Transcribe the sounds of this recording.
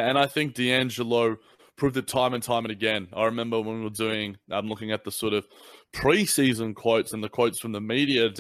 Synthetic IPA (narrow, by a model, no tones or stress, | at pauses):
ɨ̃ñaɪθɪ̃ŋk̚d̥iæ̃nd͡ʒəlˠoʊ | pʰɹ̥ʉvɨtʰãɪ̃mɨ̃ntʰãɪ̃mɨ̃nɨɡɛ̃na̰ɪɹɨmɛ̃mbə˞wə̃nwiwədʉɪ̃ŋãɪ̃mlʊkɪ̃ŋɨt̪̚ðəsɔɹɾʌv̥pʰɹ̥isizə̃nkʰw̥oʊtsɨ̃nðɨkʰw̥oʊtsfɹʌ̃mðəmiɾiɨ